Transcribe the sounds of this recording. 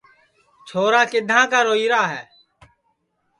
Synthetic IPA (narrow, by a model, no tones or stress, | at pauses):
t͡ʃʰoːɾaːkɪd̪ʱãːkaːɾoːiːɾaːɦɛː